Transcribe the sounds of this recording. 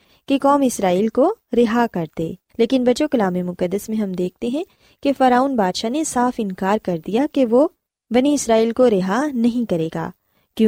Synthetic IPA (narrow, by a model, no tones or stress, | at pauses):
kekɔːmɪsɾaːiːlkoɾɪɦakɐɾt̪ḛː | leːkɪnbɐt͡ʃokɐlaːmemʊkəd̪ːəsmẽɦɐmd̪eːk̚ʰt̪eɦɛ̃ | kefɐɾaːuːnbaːd̪ʃanesaːfɪ̃nkaːɾkɐɾd̪ijakeʋo | bɐniɪsɾaːiːlkoɾɪɦanɐɦĩkɐɾeːɡa̰ː | kjõ